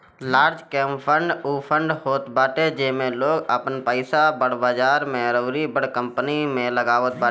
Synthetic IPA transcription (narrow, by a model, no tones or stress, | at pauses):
laːɾd͡ʒkɛːmpʰə̃ɳɖupʰə̃ɳɖhoːt̪baːʈ̪ed͡ʒemẽloːɡəpnpəɪsabəɽ̤baːd͡ʒaːɾmɛːɾəːɾibəɽkə̃mpənimẽləɡaːʋət̪̚baːe